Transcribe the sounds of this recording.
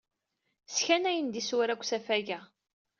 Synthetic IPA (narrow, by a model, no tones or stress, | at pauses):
sçænæjənd̪iswɾækʷːsæfæʝæ